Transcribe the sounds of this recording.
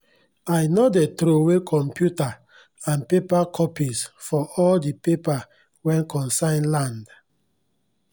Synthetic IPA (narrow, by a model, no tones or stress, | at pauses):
ajnodetɾowekʰɔ̃mpjuta | ãnpepakʰɔpisfɔɔldipepa | wɛ̃nkɔ̃nsãɪ̃nlãnd